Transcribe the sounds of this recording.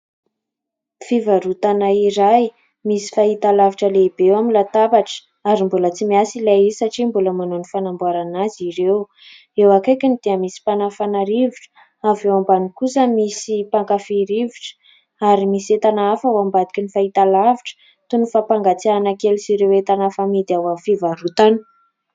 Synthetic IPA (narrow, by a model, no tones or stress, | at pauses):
fivaɾut̪anaiɾaj | misi̥faɦit̪alaviʈ͡ʂəleibewamilat̪abaʈ͡ʂə̥ | aɾimbulət͡simiasilaisaʈ͡ʂimbuləmanonifanambuaɾanaziɾew | ewakekʲinid̪̥iəmisi̥panafanaɾiviʈ͡ʂə̥ | avewambanikusəmisipaŋkafiɾiviʈ͡ʂə̥ | aɾimisiet̪anaafawambad̪ikʲinifait̪alaviʈ͡ʂə̥ | t̪unufapaŋɡat͡sianakelisiɾewet̪anafamid̪eawafivaɾut̪anə̥